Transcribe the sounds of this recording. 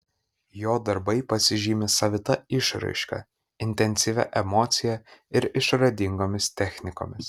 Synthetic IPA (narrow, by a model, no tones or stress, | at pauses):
joːd̪ɐɾbɐɪpɐsʲɪʒʲiːmʲɪsɐʋʲɪt̪ɐɪʃɾɐ̰ɪʃkɐ̰ | ɪnʲt̪ʲɛnʲsʲɪʋʲɛ̰ʔɛmɔːt̪sʲɪjɛɪɾɪʃɾɐd̪ʲɪŋɡoːmʲɪst̪ʲɛxʲnʲɪko̰ːmʲɪs